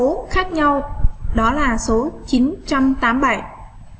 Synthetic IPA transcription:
o˨˦xaː˦˥k̚ɲa˧wɗɔ˨˦laː˨˩so˨˦t͡ɕi˨˦nt͡ɕa˧mt̪aː˨˦mɓa˧˩j

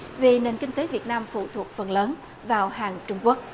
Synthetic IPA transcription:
vi˨˩ne˨˩nkï˧ŋ̟t̪e˨˦vi˨˩ət̚naː˧mfṵ˧˨t̪ʰu˨˩ək̚fə˨˩nləː˨˦n | vaː˨˩whaː˨˩ŋt͡ɕʊ˧ŋ͡mku˦˥ək̚

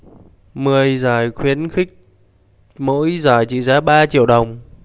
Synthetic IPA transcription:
mɨ˨˩əjzaː˨˩jxwi˨˦ənxï˦˥k̚ | mo̰˧˥jzaː˨˩jt͡ɕḭ˧˩zaː˨˦ɓaː˧t͡ɕḭ˧˨əwɗə˨˩wŋ͡m

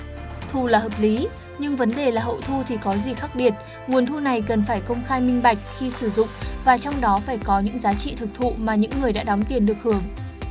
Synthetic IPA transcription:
t̪ʰu˧˩laː˨˩həː˨˩p̚li˨˦ | ɲɨ˧ŋvə˨˦nɗe˨˩laː˨˩ɦə̰˧˨wt̪ʰu˧t̪ʰi˨˩kɔ˨˦zi˨˩xaː˦˥k̚ɓi˨˩ət̚ | ŋu˨˩ənt̪ʰu˧na˨˩jkə˨˩nfaː˧˩jkə˧wŋ͡mxaː˧jmï˧ŋ̟ɓa˨˩jk̟̚xi˧sɨ˧˩zʊ̰˧˨ŋ͡mvaː˨˩t͡ɕɔ˧wŋ͡mɗɔ˨˦faː˧˩jkɔ˨˦ɲɨ̰˧˥ŋzaː˨˦t͡ɕḭ˧˨t̪ʰɨ˨˩k̚t̪ʰṵ˧˨maː˨˩ɲɨ̰˧˥ŋːɨ˨˩əjɗa̰ː˧˥ɗɔ˨˦ŋ͡mt̪i˨˩ənɗɨ˨˩ək̚hɨ˧˩əŋ

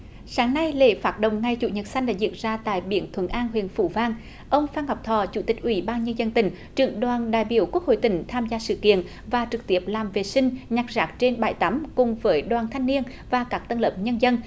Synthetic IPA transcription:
saː˨˦ŋna˧jlḛ˧˨˩faː˨˦˥t̚ɗə̰˧˨wŋ͡mŋa˨˩jt͡ɕṵ˧˨˩ɲə˨˩t̚sa˧jŋ̟ɗa̰ː˧˥zḭ˧˨ənzaː˧t̪a̰ː˧˨jɓḭ˧˩ənt̪ʰwə˨˧˦nʔaː˧nɦwḭ˧˨ənfṵ˧˩vaː˧ŋ | ʔə˧wŋ͡mfaː˧nɦa˨˩wk͡p̚t̪ʰɔ˧˩t͡ɕu˧˩˦t̪ï˨˩k̟̚ʔwi˧˨˦ɓaː˧nɲə˧nzə˧nt̪ï˧˩ŋ̟ | t͡ɕɨ˧˩əŋɗwaː˨˩nɗa̰ː˧˨jɓi˧˩əwku˦˥ək̚ho̰˧˨jt̪ï˧˩ŋ̟t̪ʰaː˧mzaː˧sɨ̰˧˨kḭ˧˨ən | vaː˨˩t͡ɕɨ˨˩k̚t̪i˦˩əp̚laː˨˩mve˨˩sï˧ŋ̟ɲa˨˩k̚zaː˦˥k̚t͡ɕe˧nɓa̰ː˧˩jt̪a˨˦mkʊ˨˩ŋ͡mvəː˨˦jɗwaː˨˩nt̪ʰa˧jŋni˧ən | vaː˨˩kaː˦˥k̚t̪ə˧nləː˨˩p̚ɲə˧nzə˧n

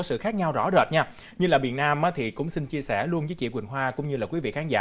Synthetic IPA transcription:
ɔ˨˦sɨ̰˧˨xaː˦˥k̚ɲa˧wzɔ̰˧˥zə̰˨˩t̚ɲaː˧ | ɲɨ˧laː˨˩ɓḭ˧˨ənːaː˧mʔaː˨˦t̪ʰi˨˩kʊ̰˧˥wŋ͡msi˧nt͡ɕi˧əsɛ˧˩lu˧ənzə˨˦t͡ɕḭ˧˨kwï˨˩ŋ̟ɦwaː˧kʊ̰˧˥ŋ͡mɲɨ˧laː˨˩kwi˨˦vḭ˧˨xaː˨˦nza̰ː˧˥

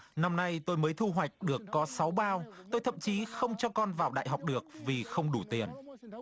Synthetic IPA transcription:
na˧mna˧jt̪o˧jməː˨˦jt̪ʰu˧ɦwa˨˩jk̟̚ɗɨ˨˩əkːɔ˨˦sa˨˦wɓaː˧wt̪o˧jt̪ʰə̰˧˨mt͡ɕi˨˦xə˧wŋ͡mt͡ɕɔ˧kɔ˧nvaː˨˩wɗa̰ː˧˨jɦɔ˨˩wk͡p̚ɗɨ˨˩ək̚vi˨˩xə˧wŋ͡mɗu˧˩t̪i˨˩ən

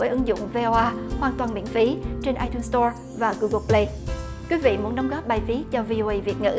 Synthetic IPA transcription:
əjʔɨ˨˦ŋzʊ̰˧˨ŋ͡mve˧ʔɔ˧ʔaː˧hwaː˨˩nt̪waː˨˩nɓḭ˧˨nfi˨˦t͡ɕe˧nʔaː˧t̪u˧nst̪ɔ˧ | vaː˨˩ɣu˧ɣə˧ple˧j | kwi˨˦vḭ˧˨mu˨˦ənɗə˨˦wŋ͡mɣɔ˦˥p̚ɓaː˨˩jfi˨˦ət̚t͡ɕɔ˧vi˧ʔo˧ʔə˧jvi˨˩ət̚ŋɨ̰˧˥

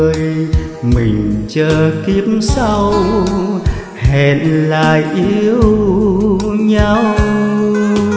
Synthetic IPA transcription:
j | mï˨˩ŋ̟t͡ɕəː˧˩ki˧˦˥əpm̚sa˧w | hɛ˨˩nlaː˨˩jʔi˧əəw | ɲa˧w

